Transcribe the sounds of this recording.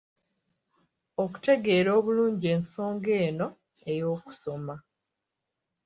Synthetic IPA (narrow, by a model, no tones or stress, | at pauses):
o̞ku̥te̞ɡe̞ːɾo̞ːβuluːɲɟie̞ːnso̞ːŋɡe̞ːno̞ | e̞jo̞ːku̥so̞ma